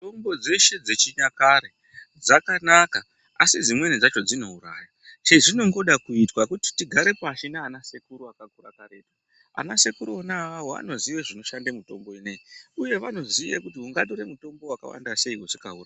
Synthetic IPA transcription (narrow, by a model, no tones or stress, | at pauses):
tombo̞d͡ze̞ʃe̞d͡ze̞t͡ʃiɲakaɾe | d͡zakanaka | asid͡zimwe̞nid͡zat͡ʃo̞d͡zino̞uɾa̰ːja | t͡ʃeʐino̞ŋɡo̞ɗakuitwakuti̥tiɡʱaɾe̞paʃinaːnase̞kuɾuakakura̰kaɾe̞ta | a̰nase̞kuɾuonaawoa̰no̞ziʋeʐino̞ʃandemuto̞̰mbo̞ineiuje̞ʋano̞zijḛkut̬iuŋɡaɗoɾemuto̞mbo̞waka̰wa̰ndase̞iwoʐikauraa